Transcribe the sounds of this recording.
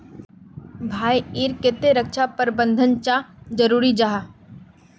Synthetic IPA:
bʱaːiiːɾkɪt̪eɾəkʃapəɾbə̃nd̪ʱənt͡ʃad͡ʒəɾuːɾid͡ʒaɦa

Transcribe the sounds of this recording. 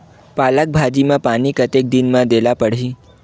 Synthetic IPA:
palək̚bʱad͡ʑimapaɽ̃ikət̪ek̚d̪inmãd̪elapəɽ̤i

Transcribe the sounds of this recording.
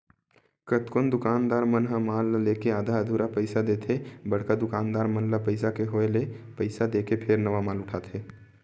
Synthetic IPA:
kət̪kʊnd̪ʊkaːnd̪aːɾmənɦamaːlːeːkeaːd̪ʱaəd̪ʱuɾapəɪsad̪eːt̪ʰebəɽ̤kad̪ʊkaːnd̪aːɾmənlapəɪsakeɦoelepəɪsad̪eːkepʰeɾnəʋamaːlʊʈʰaːt̪ɦeː

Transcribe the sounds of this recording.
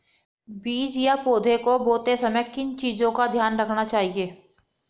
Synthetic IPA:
biːd͡ʒjapoːd̪ʱekoboːt̪esɐməjkɪnt͡ʃiːzõkad̪ʱjaːnɾɐkʰnat͡ʃaːɦieː

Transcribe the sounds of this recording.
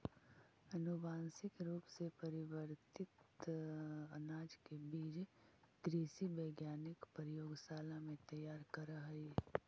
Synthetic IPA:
ɐnʊbaːnsɪkɾuːpsepɐɾɪwəɾt̪ɪt̪ | ɐnaːd͡ʒkebiːd͡ʒɡ̥ɾiːsibəːɡjaːnɪkpəɾjoːɡsaːlãmẽt̪ɐjaːɾkɐɾəɦiː

